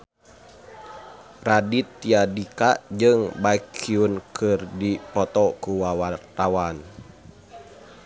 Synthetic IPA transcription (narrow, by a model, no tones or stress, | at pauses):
radit̪ːiadikad͡ʒɨŋbaikiunkʰɨrdipɔt̪ɔkuwawart̪awan